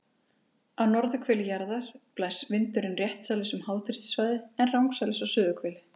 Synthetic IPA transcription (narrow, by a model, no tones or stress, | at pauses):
awnɔɾðʏkʰvɛːlɪjaɾðaɾ̥plaːjsvɪnt̪ʏɾɪnrjɛht̪saːlɪsʏmhaːwt̪ʰɪɾ̥st̪svaːjðɪɛnrawŋksalɪsawsʏːðʏkʰvɛːlɪ